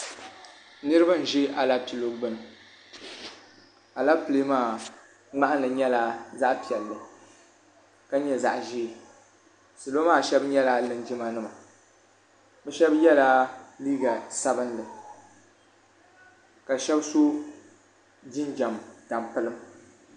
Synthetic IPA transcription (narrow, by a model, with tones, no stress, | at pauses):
nɨ˦ɾɨ˦ba˦n˨ʒɪ˦ʔa˨la˦pi˨lo˨ɡ͡bɨ˦nɨ˨ | a˨la˦pɨ˨le˦maː˦˨ | ŋ͡ma˦ʔa˦nɨ˨ɲɛ˦la˦za˦ʔpi˨ɛ˨lːɨ˨ | ka˦ɲɛ˦za̰˨ʔʒiː˦˨ | sɨ˨lo˦maː˦˨ʃɛ˦bɲɛ˦la˦lɨ˨nd͡ʒɪ˦ma˦nɨ˦ma˨ | bɛ˦ʃɛ˦bjɛ˦la˦liː˦ɡa˨sa˦bɨ˦nlɨ˨ | ka˨ʃɛ˦bso˦ | d͡ʒi˦nd͡ʒa˨mta˨mpɨ˦lɨ˦m